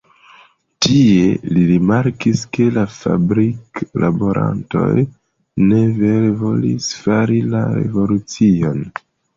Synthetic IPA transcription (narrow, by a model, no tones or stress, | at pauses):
tʰie̞liɾimaɾkiske̞lafa̰bɾikla̰bo̞ɾʔa̰nto̞̰j | ne̞veɾevo̞lḭsfaɾilaɾe̞̰vo̞lut͡sio̞n